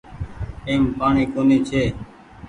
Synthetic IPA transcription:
eːmpaːɳiːkoːniːt͡ʃʰeː

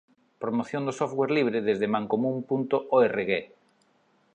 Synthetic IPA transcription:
pɾomoθjond̪osofweɾliβ̞ɾɪðezðemãŋkomũmpunt̪ʊʔɔereɣe

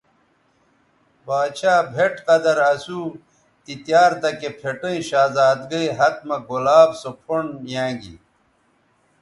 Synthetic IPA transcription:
baːɕaːbʱeʈqɐd̪ɐɾɐsuː | t̪it̪jaːɾt̪ɐkepʰeʈɐ̃ĩɕaːzaːd̪ɡɐiɦɐt̪̚mɐɡolaːbsopʰoɳjãːŋɡḭ

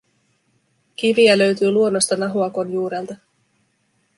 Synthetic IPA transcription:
k̟iʋiælø̞ɥt̪yːluo̞nːo̞st̪ɑnɑɦuɑko̞njuːɾelt̪ɑ

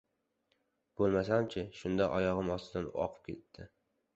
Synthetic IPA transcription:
b̥olˠmas̬amt͡ʃʰɪʃʊnd̪aʔɒjɒʁɨmɒst̪ɪd̪anɒ̰qʰɨ̥p̚kʲʰe̞̰t̪ʰːɪ

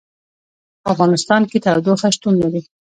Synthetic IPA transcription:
afɣɑnɪst̪ɑnket̪awd̪oxaʃt̪unːaɾi

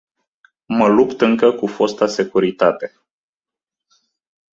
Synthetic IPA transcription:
məlupt̪ɨŋkəkufo̞st̪ase̞kuɾit̪at̪e̞

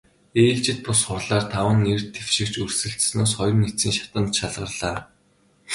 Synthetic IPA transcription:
eːɮt͡ɕɪ̆t̪̚pʊsχʊrɮaːrt̪ʰawə̆nːert̪ʰːewʃɪ̆kt͡ɕɵrsɘ̆ɬt̪snoːsχɔjrnːit͡siːŋʃḁt̪ə̆nt̪ʃaɮʁə̆rɮaː

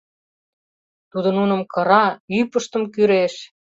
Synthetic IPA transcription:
t̪ud̪ə̆nunə̆mkɤ̆ɾɑypəʃt̪ə̆mkyɾeʃ

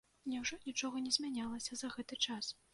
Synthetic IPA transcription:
nʲɛwʐɔnʲit͡ʂɔɣɐnʲɛzʲmʲanʲalˠɐsʲɐzɐɣɛt̪ɨt͡ʂas

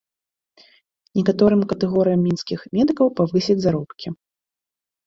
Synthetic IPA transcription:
nʲɛkat̪ɔɾɨmkɐt̪ɛɣɔɾɨjɐmːʲinskʲixmʲɛd̪ɨkɐwpavɨsʲɛd͡zʲzaɾɔpkʲi

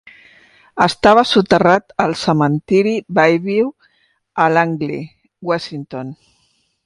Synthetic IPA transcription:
əst̪aβ̞əsut̪ərat̪əlˠsəmənt̪iɾibajβiw | əlaŋɡli | wasint̪on

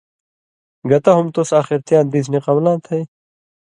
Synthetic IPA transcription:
ɡɐt̪aɦumt̪osaːxiɾt̪jãːnd̪iːs̬niqɐmlãːnt̪ʰɐj

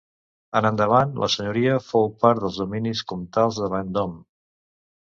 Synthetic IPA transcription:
ənənd̪əβ̞anlʔə̰səɲuɾiəfowpaɾðəlˠzðuminiskumt̪alˠzðəβand̪ɔm

